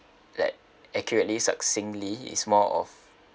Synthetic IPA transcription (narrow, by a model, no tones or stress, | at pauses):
la̰ɪk̚ | ɛkjɔɹətlisa̰ksɪ̃ŋliḭsmɔʔɔ̰f